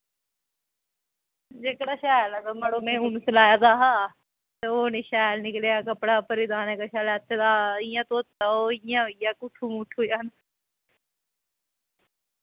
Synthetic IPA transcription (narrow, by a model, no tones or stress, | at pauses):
d͡ʒeːkɽaːʃaːləɡəməɽoːmẽːʊnsəlaːjaːd̪aːɦaː | t̪eoːneːʃaːlnɪkleːaːkəpɽaːpəɾɪd̪aːnekaʃaːlɛːt̪ːeːd̪aːɪjãːt̪oːt̪ːaːoːɪjãːɦoijaːkʊt̪ʰːuːmʊʈʰoːjaːn